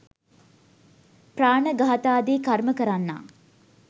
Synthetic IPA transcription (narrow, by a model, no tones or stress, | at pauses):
praːɳəɡaɦat̪aːd̪eːkarməkəɾanːa̰ː